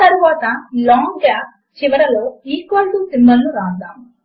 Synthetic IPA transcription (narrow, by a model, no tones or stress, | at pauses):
ɐɾuʋaːt̪ɐlɔːŋɡɡaːp̚ | t͡ʃiʋɐɾɐlo̞ːiːkʋɐlʈusimbɐlːuɾaːd̪aːm